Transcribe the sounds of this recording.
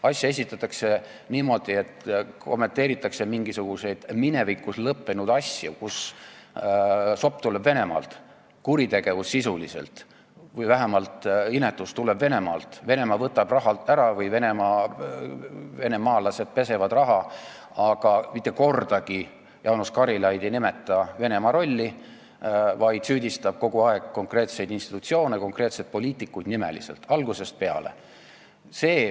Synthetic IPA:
ɑsʲjɑe̞s̬ʲit̪ːˑɑt̪ːˑɑkse̞ | niːmo̞d̪̥ie̞t̪ːko̞mːe̞nt̪ːˑe̞ːɾit̪ːˑɑksemiŋɡ̥isuɡ̥use̞jd̪̥mine̞vikːˑuslɤpːenud̪̥ɑsʲjukus | so̞pːt̪ulebve̞ne̞mɑ̰ːlt̪ | kuɾit̪e̞ɡ̥e̞vusːisulise̞̰lt̪ | vɯjvæɦæmɑlt̪ine̞t̪ːˑust̪ulebve̞ne̞mɑ̰ːlt̪ˑve̞ne̞mɑvɤt̪ːˑɑb̥rɑɦɑlt̪ːˑæɾɑvɯjve̞ne̞mɑː | ve̞ne̞mɑːlɑse̞d̪̥̚pe̞se̞vɑd̪rɑɦɑ | ɑɡ̥ɑmit̪ːˑeko̞rd̪ɑɡ̥i | jʔɑwnuskɑɾilɑjd̪ejnime̞t̪ːˑɑve̞ne̞mɑɾo̞lʲːi | vɑjd̪̥syːd̪ist̪ɑb̥̚ko̞ɡ̥uɑe̞ɡ̥ko̞ŋkre̞ːt̪se̞jd̪inst̪i̥t̪ːut̪sio̞ːneko̞ŋkre̞ːt̪se̞d̪̚po̞lʲiːt̪ːˑikːujd̪̥nime̞̰lḭselt̪ˑɑlɡ̥use̞st̪̚pe̞ɑ̰le̞̰ | se̞ː

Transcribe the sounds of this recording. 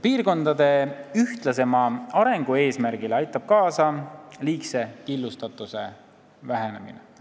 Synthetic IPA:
piːrɡo̞nd̪̥ɑd̪e̞yht̪lɑse̞mɑɑɾe̞ŋɡ̥ue̞ːsmæɾɡ̥ilɑjt̪ːˑɑb̥̚kɑːsɑliːkse̞kilːust̪ɑt̪ːˑuse̞ | væɦe̞ne̞̰mḭnḛ

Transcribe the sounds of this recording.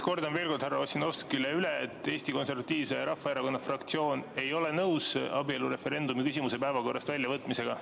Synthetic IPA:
ko̞rd̪ɑnve̞ːlkod̪hærːɑosino̞vskileyleːt̪ːˑeːsʲt̪iko̞nse̞rvɑt̪ʲːˑiːvsejɑɾɑfːɑeɾɑko̞nːɑfrɑkt̪sio̞ːne̞jo̞le̞nɤwsɑbie̞luɾe̞fe̞ɾe̞nd̪umikysʲimuse̞pæevɑko̞rːɑst̪vælʲjɑvɤt̪ːˑmise̞ɡ̥ɑ

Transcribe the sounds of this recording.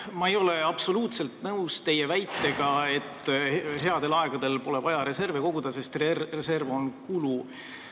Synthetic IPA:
mɑejo̞le̞ɑb̥so̞luːt̪se̞lt̪nɤwst̪e̞jevæjt̪ːe̞ɡ̥ɑe̞t̪ːɦe̞ɑd̪̥e̞lɑe̞ɡ̥ɑd̪̥e̞lpo̞le̞vɑjɑɾe̞se̞rveko̞ɡ̥ud̪ɑse̞st̪rrese̞rvo̞nkulu

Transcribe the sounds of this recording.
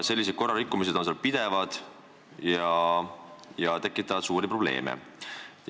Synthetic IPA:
se̞lːis̬ed̪̚ko̞rːɑɾikːˑumis̬e̞d̪o̞nselpid̪̥e̞vɑd̪̥ | jɑ | jɑt̪e̞kːˑit̪ːˑɑvɑd̪suːɾiproble̞̰ːmḛ

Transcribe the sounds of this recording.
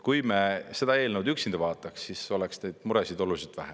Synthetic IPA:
kujmese̞d̪ɑe̞ːlnewd̪yksind̪̥ɑvɑːt̪ːˑɑksːiso̞leksneːd̪̥muɾe̞sid̪o̞lusit̪væ̰he

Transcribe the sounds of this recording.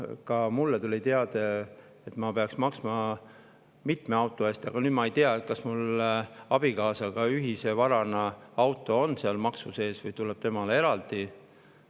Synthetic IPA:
kɑmulːet̪ulʲit̪eɑd̪̥e | et̪mɑpe̞ɑksmɑksmɑ | mit̪meɑwt̪ːˑoesʲt̪iɑɡ̥ɑnyːd̪̚mɑejt̪eɑet̪̚kɑsmulɑb̥ikɑːsɑɡ̥ɑyɦise̞vɑɾɑnɑɑwt̪ːˑo̞onːseɑlmɑksuse̞ːsvɤjt̪ulːe̞b̥̚t̪emɑlee̞ɾɑld̪̥i

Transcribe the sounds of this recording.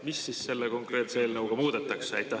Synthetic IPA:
misːiːsse̞lːeko̞ŋkre̞t̪seeːlnɤwɡ̥ɑmuːd̪̥et̪ːˑɑksɑjt̪ːˑɑ

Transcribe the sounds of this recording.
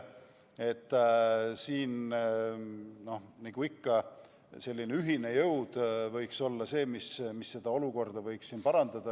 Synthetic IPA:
e̞t̪ːˑsiːn | no̞hniɡ̥uikːɑ | se̞lʲːineyɦine̞jɤwd̪̥vɤjkso̞lːɑse̞ːmismisːe̞d̪̥ɑo̞luko̞rd̪ɑvɤ̞jksːiːnpɑɾɑnd̪̥ɑd̪̥ɑ

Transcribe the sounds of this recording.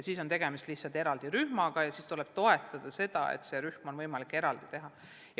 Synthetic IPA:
jɑsiːso̞nt̪e̞ɡe̞mist̪lih̪sɑlt̪e̞ɾɑld̪̥iɾyhmɑɡ̥ɑjɑsiːst̪ulɛ̞b̥t̪o̞et̪ːˑɑd̪̥ɑse̞d̪ɑḛt̪se̞ɾyhmo̞nvɤjmɑlikːˑe̞ɾɑld̪̥it̪e̞ɦɑ | j

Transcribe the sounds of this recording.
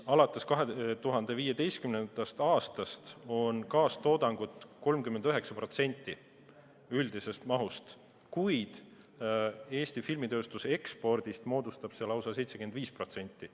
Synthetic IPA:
ɑlɑt̪ːˑe̞skɑɦet̪uɦɑnd̪̥e̞viːjed̪e̞jst̪̚kymnend̪̥ɑst̪ɑːst̪ɑst̪o̞nkɑːst̪o̞ːd̪̥ɑŋɡ̥ut̪ˑko̞lmkymːend̪øɦe̞ksɑpro̞t̪se̞nʲt̪ˑːi | yld̪ise̞st̪mɑɦust̪ | kujd̪̥ | e̞ːst̪ifilmit̪ø̞ːst̪use̞kspo̞rd̪̥ist̪mo̞ːd̪ust̪ɑb̥selɑwsɑse̞jt̪se̥ymend̪viːspro̞t̪se̞nʲt̪ːi

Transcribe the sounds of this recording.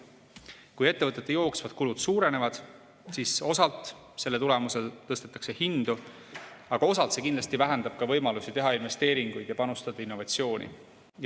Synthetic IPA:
kuje̞t̪ːevɤt̪ːˑe̞t̪ːejo̞ːksvɑd̪̥̚kulud̪̥suːɾe̞ne̞vɑd̪̥ | siso̞sɑlt̪ˑ | se̞lːet̪ule̞muse̞lt̪ɤst̪e̞t̪ːˑɑ̥kse̞hind̪̥u | ɑɡ̥ɑo̞sɑlt̪se̞kind̪lɑst̪ivæɦend̪ɑb̥kɑvɤ̞jmɑlusit̪e̞ɦɑinve̞st̪e̞ːɾiŋɡ̥ujd̪jɑpɑnust̪ɑd̪̥ɑinːo̞vɑt̪ʲsio̞ːnʲḭ

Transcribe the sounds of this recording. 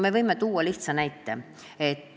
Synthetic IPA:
me̞vɤjmet̪uːwɑliht̪sɑnæjt̪ːe | et̪ː

